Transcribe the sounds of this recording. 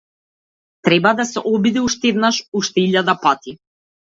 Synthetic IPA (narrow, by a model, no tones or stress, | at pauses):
t̪ɾɛbad̪asɛ̰ʔɔbid̪iuʃt̪ɛd̪naʃuʃt̪ɛiʎad̪apat̪i